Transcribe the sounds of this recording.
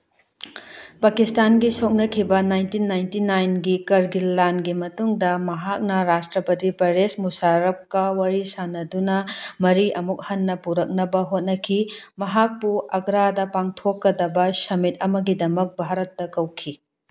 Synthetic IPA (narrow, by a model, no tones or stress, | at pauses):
pakistanɡisok̚nɐkʰibɐnajntinajntinajnɡikɐɾɡilːanɡimɐtuŋdɐmɐɦak̚nɐɾastɾɐpɐtipɐɾesmusaɾɐp̚kɐwɐɾisanɐdunɐmɐɾiʔɐmuk̚hɐnːɐpuɾɐk̚nɐbɐɦot̚nɐkʰimɐɦak̚puɐɡɾadɐpaŋtʰokːɐdɐbɐsɐmit̚ɐmɐɡidɐmɐk̚bʱaɾɐtːɐkɐwkʰi